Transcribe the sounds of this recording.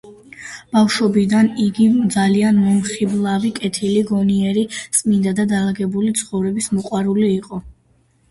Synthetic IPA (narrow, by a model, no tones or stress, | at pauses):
b̥afʃwɔbid̪aniɡid̪zalianmɔmχiblˠavikʼɛt̪ʰiliɡɔniɛɾisʼmind̪ad̪ad̪alaɡɛbulit̪sʰχɔvɾɛbismɔqʼwaɾuliːqʼɔ